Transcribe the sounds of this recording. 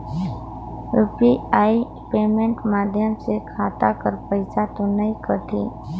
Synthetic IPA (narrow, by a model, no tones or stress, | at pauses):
upiaːi | peːmẽɳʈmaːd̪ʱjəmsekʰaːt̪akəɾpəɪsat̪onəĩkəʈʰiː